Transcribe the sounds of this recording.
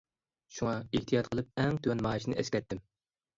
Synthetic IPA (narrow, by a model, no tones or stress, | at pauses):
ʃuŋɑeht̪ʰijɑt̪̚qʰəlˠɨp̚ɛŋt̪ʰywɛnmɑːʃinɪ̰ʔɛskʲɛt̪ʰːɪm